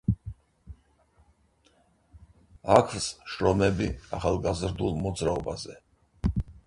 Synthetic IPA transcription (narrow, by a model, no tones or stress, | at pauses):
akʰvsʃɾɔmɛbiaχalˠɡazɾd̪ulˠmɔd̪zɾaɔba̰zɛ